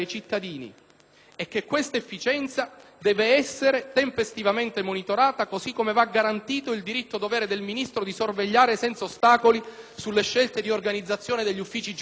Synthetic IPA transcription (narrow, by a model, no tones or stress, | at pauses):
ejt͡ʃit̪ːad̪iːnḭ | ekːekːwest̪aefːit͡ʃɛnt̪sad̪ɛːveɛsːeɾet̪empest̪ivament̪emonit̪oɾaːt̪akozikːomevaɡːaɾant̪iːt̪oild̪iɾit̪ːod̪ovɛːɾed̪elminist̪ɾod̪isorveʎːaːɾesɛnt̪saost̪aːkolisulːeʃːelt̪ed̪iorɡanid̪zːat̪sːjoːned̪eʎːufːiːt͡ʃid͡ʒ